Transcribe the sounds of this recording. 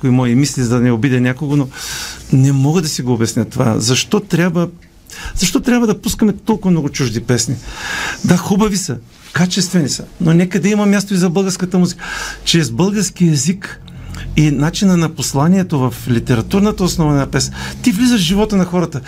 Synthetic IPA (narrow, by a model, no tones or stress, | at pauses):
kʊimɔjimislizd̪ɐnɛobid̪ɛnʲjakoɡononɛmɔɡəd̪ɐsiɡoːbɛsnʲɐət̪ova̰zɐʃt̪ɔt̪ɾʲabvə | z̥ɐʃt̪ɔt̪ɾʲabvɐd̪ɐpuskɐmɛt̪ɔlˠkʊvɐmnɔɡʊt͡ʃuʒd̪ipɛsnid̪axubɐvisɐ | kat͡ʃɛst̪vɛnisənonɛkəd̪ɛimɐmʲjast̪oizɐbɤlˠɡəɾskət̪əmuzikət͡ʃɾɛzbɤlˠɡəɾsk̟iɛzik | inat͡ʃinənɐposlˠaniɛt̪ovɐflit̪ɛɾɐt̪uɾnət̪əosnɔvɐnapɛsnət̪ivlʲizəʃʒivɔt̪ənɐxɔɾɐt̪ə